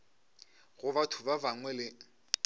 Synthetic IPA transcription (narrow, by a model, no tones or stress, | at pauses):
ɣʊbatʰʊbabaŋwɛlɪ